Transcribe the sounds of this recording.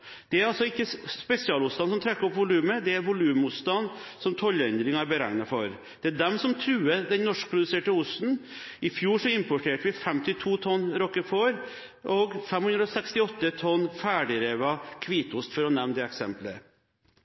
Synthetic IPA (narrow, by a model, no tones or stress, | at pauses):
d̪̥ɛæɾɑlsɔɪkːəspɛsɪɑːlʊt̪st̪ɑnsɔmt̪ʰɾɛkːəɾɔpʋʊlʉːməd̪ɛæɾʋʊlʉːmmʊt̪st̪ɑnːsɔmt̪ʰɔlːəɛnd̪ɾɪŋɑæɾbəɾæŋnɑfɔɾ | d̪̥ɛæɖɛmsɔmt̪ʰɾʉːəd̪ɛnnɔʂk̚pʰɾʊd̪ʉseːʈəʊst̪n̩ | ɪfjuːʂɔɪmpɔʈʰeːʈəʋɪfɛmt̪ɪt̪ʰuːt̪ʰɔnːɾɔkːəfɔɾ | ʔɔɡfɛmhʉnd̪ɾɔsɛkst̪ɪɔt̪ːət̪ʰɔnːfæːɖɪɾeːʋɑkʰʋiːt̪ʊst̪fɔɾɔnɛʋnd̪ɛɛksɛ̰mplə̰